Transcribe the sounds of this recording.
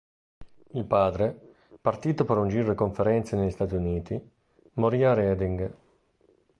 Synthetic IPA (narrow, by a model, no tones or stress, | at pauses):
ilpaːd̪ɾe | part̪iːt̪opeɾund͡ʒiːɾoekoɱfeɾɛnt̪seneʎːist̪aːt̪iuniːt̪i | moɾiːaɾɛːd̪iŋɡ